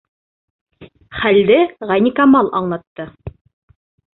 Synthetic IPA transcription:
χæld̪ɘʁɑnʲikamɑlˠʔɑ̰ɴlˠɑt̪ːɤ

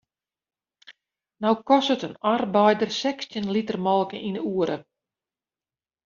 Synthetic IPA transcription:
nawkɔsətənarbɛjdərsɛkstjənlitərmɔlˠkəʔinəuəɾʔə̰

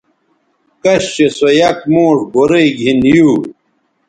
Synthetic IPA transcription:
kɐɕt͡ɕesojɐkmoːʂboɾeɡʱinjuː

